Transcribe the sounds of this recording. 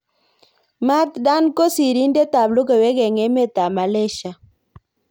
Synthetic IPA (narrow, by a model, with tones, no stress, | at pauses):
ma˦t̪da˦nko˦si˨ɾi˦nde˦t̪a˨blo˦ke˨we˦ɡɛ˨ŋe˦mɛ˦t̪a˨ma˨le˦ʃa˨